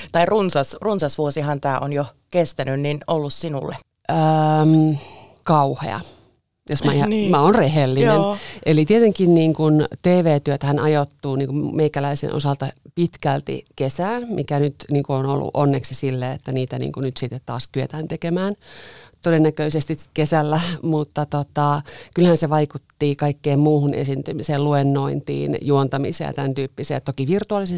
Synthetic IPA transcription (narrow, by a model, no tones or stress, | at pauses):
t̪ɑirunsɑsrunsɑsʋuosihɑnt̪æːʔonjo | kest̪ænynninolːussinṵlːḛ | ʔəm | kɑuhḛɑ̰ | josmæiɑmæonrehelːinenʔelit̪iet̪eŋkinniːŋkunt̪eːʋeːt̪yøt̪æhænʔɑjot̪ːuːniːŋkummeikælæisḛnʔo̰sɑlt̪ɑpit̪kælt̪ḭkesæːnmikænyt̪niːŋkuono̰lːṵʔonːeksisilːeḛt̪ːæniːt̪ænḭːŋkunyt̪sit̪ːet̪t̪ɑːskyøt̪æːnt̪ekemæːnt̪odenːækøisest̪iskesælːæmut̪ːɑt̪ot̪ɑkylhænseʋɑikut̪ːiːkɑikːeːmmuːhunʔḛsint̪ymiseːluenːoint̪ḭːnjuont̪ɑmḭsḛjɑ̰t̪ænt̪yːpːisḛːɑt̪okiʋirt̪uɑlise